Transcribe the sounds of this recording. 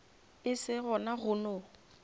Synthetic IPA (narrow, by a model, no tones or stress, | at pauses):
ɪsɪɣʊnaɣʊno